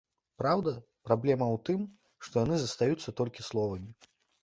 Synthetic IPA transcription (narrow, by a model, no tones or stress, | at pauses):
pɾawd̪ɐ | pɾablʲɛmɐwt̪ɨm | ʂt̪ɔjanɨzɐst̪ajut̪sːɐt̪ɔlʲkʲislˠɔvɐmʲi